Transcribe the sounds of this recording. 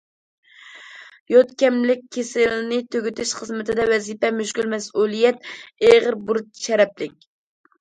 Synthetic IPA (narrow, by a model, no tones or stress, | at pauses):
jɔt̪kʲɛmlɪk̚ʲʰːesɪlnɪt̪ʰøɡʲyt̪ʰɪʃχəzmɪt̪ʰɪd̪ɛwɛzipɛmyʃkʲylmɛsʔulˠijɛt̪eʁəɾbuɾt̪̚ʃɛɾɛplɪk̚ʲ